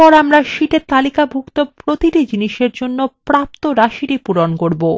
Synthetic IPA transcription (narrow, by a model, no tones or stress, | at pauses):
ɔɾamɾaʃiʈet̪alikabʱukt̪opɾot̪iʈid͡ʑiniʃeɾd͡ʑonːopɾap̚t̪oɾaʃiʈipuɾonkoɾbo